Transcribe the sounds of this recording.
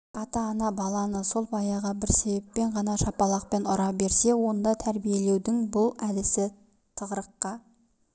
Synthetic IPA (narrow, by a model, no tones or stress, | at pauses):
ɑt̪ɑːnɑbɑlˠɑnəso̞lˠpʰɑjɑʁɑbɪɾse̞bepːe̞ɴʁɑnɑʃɑpɑlˠɑq̚pe̞nʊɾɑbe̞ɾse̞wo̞nd̪ɑt̪ʰæɾbije̞le̞wd̪ɪŋbʊlˠælɪsɪ | t̪ʰəʁəɾəqːɑ